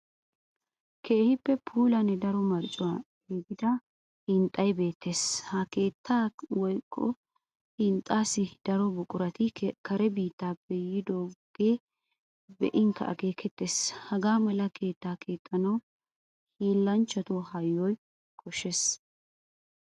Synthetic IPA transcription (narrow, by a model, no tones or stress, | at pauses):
kʰe̞ːhɪpːɛpʰuːlɐnɛd̪ɐɾɔmɐɾt͡ʃʼːʊwaː | ɡiɡɪd̪ɐ | hɪnt̪ʼːɐjbe̞ːt̪ːe̞shɐke̞ːt̪ːaːwɔjkʼːɔ̰ | hɪnt̪ʼːaːsɪd̪̥ɐɾɔbʊkʼʊɾɐt̪ɪkʰɐɾɛbiːt̪ːaːbɛjːɪd̪oːɡ̥e̞ː | bɛ̰ʔɪŋkːɐ̰ʔɐ̰ɡe̞ːkʰɛt̪ːeːshɐɡaːmɛlɐkʰe̞ːt̪ːaːkʰe̞ːt̪ʼːɐnɐw | hiːlːɐnt͡ʃːɐt̪ɔhɐjːɔj | kʰʼɔʃes